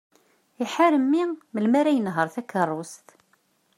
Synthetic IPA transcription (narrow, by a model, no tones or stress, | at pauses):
iħaɾəmːiməlmaɾæjənɦəɾˤθækːərˤːʊst̪